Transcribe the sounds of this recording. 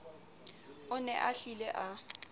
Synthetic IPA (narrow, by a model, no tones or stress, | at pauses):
ʊnɛ̰ʔaɬilɛʔa